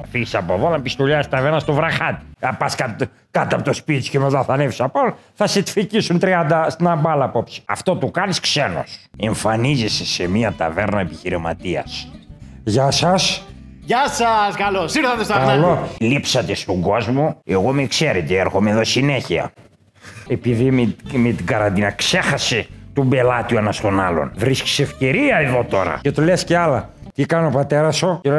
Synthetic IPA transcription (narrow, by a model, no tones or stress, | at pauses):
fiʝisɐpoðonɐpist̪oʎɐst̪ɐveɾnɐst̪ovɾɐxɐt̪i̥pɐskɐ | kɐt̪ɐpot̪ospit̪i̥scemɐzɐθɐnevisɐpoθɐset̪ficisunt̪ɾiɐnd̪ɐst̪inɐmbɐlɐpo̞psi̥ɐ̰ft̪o̞t̪ukɐniskseno̰se̞ɱfɐnizesesemiɐt̪ɐ̰veɾnɐepiçiɾimɐ̰t̪iɐ̰s | ʝɐsɐs | ʝɐsɐskɐlosiɾθɐt̪est̪ɐkɐlolipsɐt̪est̪oŋɡo̞zmueɣomekseɾet̪eeɾxomeðo̞sineçiɐ̰ | e̞piðimmet̪iɡɐɾɐnd̪inɐkse̞xɐset̪ombe̞lɐt̪ioenɐst̪o̞nɐlo̰nvɾisci̥seefce̞ɾiɐeðo̞t̪o̞ɾɐ̰cet̪olesceɐlɐt̪ikɐnopɐt̪e̞ɾɐsoe